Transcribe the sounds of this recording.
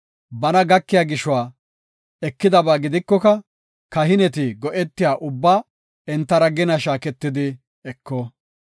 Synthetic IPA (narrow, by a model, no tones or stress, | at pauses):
bɐnɐɡɐkːɪjaːɡɪʃʊwaː | ɛkːɪd̪ɐbaːɡɪd̪ɪkːɔkɐ | kɐɦɪnɛt̪̬ɪɡɔʔɛt̪ːɪjaːʔʊbːaː | ɛnt̪ːɐɾɐɡɪnɐʃaːkɛt̪ːɪd̪ɪ | ɛkːoː